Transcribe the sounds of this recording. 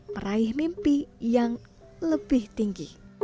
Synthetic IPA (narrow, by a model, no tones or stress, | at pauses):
məɾaɪhmimpijaŋ | ləb̥ɪht̪iŋɡi